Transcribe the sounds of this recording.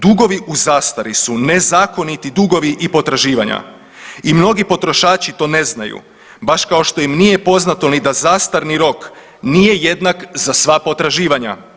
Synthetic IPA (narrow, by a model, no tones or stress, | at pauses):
d̪uɡo̞ʋiʔuzaːst̪aɾisunezaːko̞nit̪id̪uɡo̞ʋiʔipo̞t̪ɾaʒiːʋaɲa̰ | imno̞ɡipo̞t̪ɾo̞ʃaːt͡ʃit̪o̞ːne̞znajṵ | baʃkao̞ʃt̪o̞imnije̞po̞znat̪o̞nid̪azast̪aɾniɾo̞k | nije̞je̞d̪nakzasʋapo̞t̪ɾaʒiːʋaɲa̰